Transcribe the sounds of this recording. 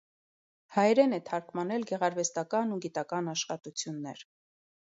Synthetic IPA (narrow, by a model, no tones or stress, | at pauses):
hɑjɾɛnɛt̪ʰɑɾkʰmɑnɛlɡɛʁɑɾvɛst̪ɑkɑnuɡit̪ɑkɑnɑʃχɑt̪ut͡sʰjunːɛ̰ɾ